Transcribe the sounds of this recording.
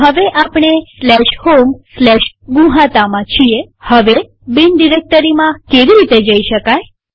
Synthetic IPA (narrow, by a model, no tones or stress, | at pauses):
ɦəʋeʔapɳ̃eslɛʃhomslɛʃɡũɦãt̪amãt͡ʃʰiehəʋe | binɖiɾek̚t̪əɾimãkeʋiɾit̪ed͡ʒəiʃəkaj